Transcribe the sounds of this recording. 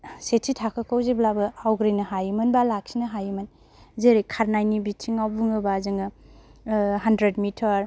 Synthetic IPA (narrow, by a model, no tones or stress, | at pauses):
setsitʰakʰɯkʰawziblabɯawɡɾijnɐɦajmɯnbalak̚sinɐɦajimɐn | zeɾikʰaɾnajnibitʰiŋawbuŋɯbazɯŋɯ | ɦandɾedmitʰaɾ